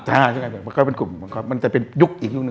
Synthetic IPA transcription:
t͡ɕaː˧˩tʰa˧˩ŋa˧˩a˧˩ma˧kɔ˧˩pe˧nku˨˩ma˧˩kʰɔː˧˥˩ma˧nt͡ɕa˨˩pe˧nju˦˥k̚ʔiː˨˩k̚ju˦˥knɨ˨

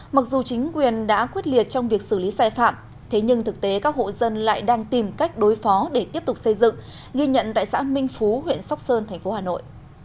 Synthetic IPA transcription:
ma˨˩k̚zu˨˩t͡ɕï˨˦ŋ̟kwi˨˩ənɗa̰ː˧˥kwi˦˥ət̚li˨˩ət̚t͡ɕɔ˧wŋ͡mvi˨˩ək̚sɨ˧˩li˨˦saː˧˩jfa̰ː˧˨m | t̪ʰe˨˦ɲɨ˧ŋt̪ʰɨ˨˩k̚t̪e˨˦kaː˦˥k̚ho̰˧˨zə˧nla̰ː˧˨jɗaː˧ŋt̪i˨˩mka˦˥jk̟̚ɗo˨˦jfɔ˨˦ɗe˧˩t̪i˦˥əp̚t̪ʊ˨˩k͡p̚sə˧jzɨ̰˧˨ŋ | ɣi˧ɲə̰˧˨nt̪a̰ː˧˨jsa̰ː˧˥mï˧ŋ̟fu˨˦ɦwḭ˧˨ənsa˦˥wk͡p̚səː˧nt̪ʰɛ˨˩ŋ̟fo˨˦haː˨˩no̰˧˨jʔ

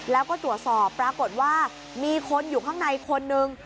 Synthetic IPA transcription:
lɛː˦˥wkɔː˥˩t̪ɾu˨˩ə˩t̪̚sɔː˨˩pːɾaː˧ko˨˩t̪̚waː˥˩ | miː˧kʰo˧njuː˨˩kʰaː˥˩ŋna˧jkʰo˧nːɯ˧ŋ

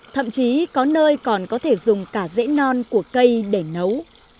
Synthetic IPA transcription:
t̪ʰə̰˧˨mt͡ɕi˨˦kɔ˨˦nəː˧jkɔ˨˩nkɔ˨˦t̪ʰe˧˩zʊ˨˩ŋ͡mkaː˧˩zɛ̰˧˥nɔ˧nku˧˩əkə˧jɗe˧˩nə˨˦w

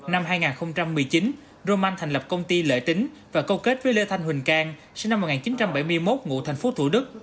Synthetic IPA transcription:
na˧mɦaː˧jŋaː˨˩nxə˧wŋ͡mt͡ɕa˧mːɨ˨˩əjt͡ɕi˨˦n | zo˧maː˧nt̪ʰa˨˩ŋlə˨˩p̚kə˧wŋ͡mt̪i˧lə̰ː˧˨t̪ï˨˦ŋ̟ | vaː˨˩kə˧wke˦˥t̚vəː˨˦jlə˧t̪ʰa˧jŋ̟hï˨˩ŋ̟kaː˧ŋsɨ˧nːa˧m̚ː˨˩aː˨˩nt͡ɕi˨˦nt͡ɕa˧mɓa˧˩jmɨ˧əjmo˦˥t̚ŋṵ˧˨t̪ʰŋ̟fo˨˦t̪ʰṵ˧˩ɗɨ˦˥k̚

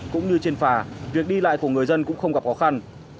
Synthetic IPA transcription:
kʊ̰˧˥ŋ͡mɲɨ˧t͡ɕe˧nfaː˨˩vi˨˩ək̚ɗi˧la̰ː˧˨jku˧˩əŋɨ˨˩əjzə˧nkʊ̰˧˥ŋ͡mxə˧wŋ͡mɣa˨˩p̚xɔ˨˦xa˧n

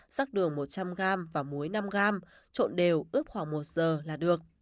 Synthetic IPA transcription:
z̥aː˦˥k̚ɗɨ˨˩əŋmo˨˩t̚t͡ɕa˧mɣaː˧mvaː˨˩mu˨˦əjna˧mɣaː˧m | t͡ɕo̰˧˨nɗe˨˩wʔɨ˦˥əp̚xwaː˧˩ŋmo˨˩t̚z̥əː˨˩laː˨˩ɗɨ˨˩ək̚

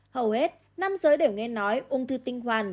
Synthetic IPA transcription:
hə˨˩whe˦˥t̚ | na˧mzəː˨˦jɗe˧˩wŋɛ˧nɔ˨˦jʔʊ˧ŋ͡mt̪ɨ˧t̪ï˧ŋ̟hwaː˨˩n

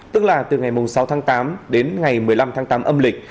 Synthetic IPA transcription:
t̪ɨ˦˥k̚laː˨˩t̪ɨ˨˩ŋa˨˩jmʊ˨˩ŋ͡msa˨˦wt̪ʰaː˨˦ŋt̪aː˨˦mɗe˨˦nŋa˨˩jmɨ˨˩əjla˧mt̪ʰaː˨˦ŋt̪aː˨˦mʔə˧mlï˨˩k̟̚

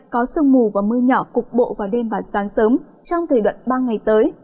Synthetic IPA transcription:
kɔ˨˦sɨ˧əŋmu˨˩vaː˨˩mɨ˧əɲɔ˧˩kʊ˨˩k͡p̚ɓo̰˧˨vaː˨˩wɗe˧mɓaː˨˩saː˨˦ŋsəː˨˦m | t͡ɕɔ˧wŋ͡mt̪ʰəː˨˩jɗwə̰˧˨nɓaː˧ŋa˨˩jt̪əː˨˦j

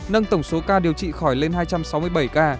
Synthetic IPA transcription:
nə˧ŋt̪ə˧˩wŋ͡mso˨˦kaː˧ɗi˨˩əwt͡ɕḭ˧˨xɔ˧˩jle˧nhaː˧jt͡ɕa˧msa˨˦wmɨ˧əjɓə˧˩jkaː˧

